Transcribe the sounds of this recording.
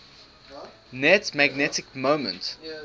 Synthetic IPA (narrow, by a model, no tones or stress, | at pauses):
nɛtmæɡ̚nɛtɪkmõʊmə̰̃nt